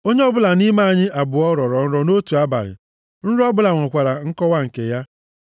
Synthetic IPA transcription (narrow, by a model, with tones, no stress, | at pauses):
o˦ɲe˦ɔ˦bʊ˦la˨ni˦ma˦a˨ɲɪ˦a˨bʊ˨ɔ˦ɾɔ˨ɾɔ˨n̩˦ɾɔ˦no˦tu˨a˦ba̰˨ɾɪ̰˨ | n̩˦ɾɔ˦bʊ˦la˨ŋʷɔ˨kʷa˨ɾa˨ŋ̩˦kɔ˦wa˦ŋ̩˨ke˨ja˦